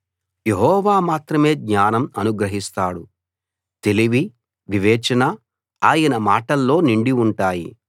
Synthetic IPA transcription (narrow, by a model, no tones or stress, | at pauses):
je̞ɦɔːʋaːmaːt̪ɾɐme̞ːɡɲaːnɐmɐnuɡɾɐɦist̪aːɽu | t̪e̞liʋi | ʋiʋɛːt͡ʃɐnɐ | aːjɐnɐmaːʈɐlːo̞ːniɳɖiuɳʈaːjḭ